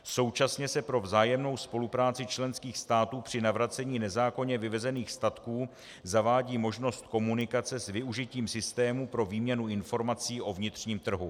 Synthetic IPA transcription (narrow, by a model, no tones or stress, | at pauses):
so̞wt͡ʃasɲɛsɛpɾo̞vzaːjɛmno̞wspo̞lupɾaːt͡sɪt͡ʃlɛnskiːxst̪aːt̪uːpr̥ɪnavɾat͡sɛɲiːnɛzaːko̞ɲɛvɪvɛzɛniːxst̪at̪kuː | zavaːɟiːmo̞ʒno̞st̪ko̞munɪkat͡sɛsvɪuʒɪciːmsɪst̪ɛːmupɾo̞viːmɲɛnuɪnfo̞ɾmat͡siːʔo̞vɲɪt̪r̝̥ɲiːmt̪r̩ɦu